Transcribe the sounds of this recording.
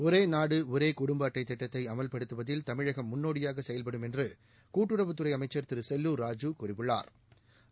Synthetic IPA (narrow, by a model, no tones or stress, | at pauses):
ɔɾeːnaːɽɯɔɾeːkʊɽʊmbaːʈːɐɪt̪ːɛʈːɐt̪ːɐɪɐmɐlpɐɽɯt̪ːɯʋɐðɪlt̪ɐmɪɻɐɣɐmːʊnːoːɽɪjaːɣɐsɛjɐlpɐɽɯmɛndrɯ | kuːʈːɯɽɐʋɯt̪ːɯrɐɪɐmɐɪt͡ʃːɐɾt̪ɪɾsɛlːuːɾaːd͡ʒukʊrɪpːɯɭːa̰ːɾ